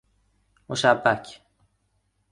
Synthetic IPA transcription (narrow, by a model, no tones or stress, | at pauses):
moʃæbːæcʰ